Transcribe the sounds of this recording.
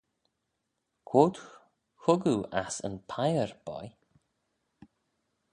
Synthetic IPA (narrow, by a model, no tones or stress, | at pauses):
kʰwot̪ | xʊɡuasə̰npʰajəɹb̥ɔ̰j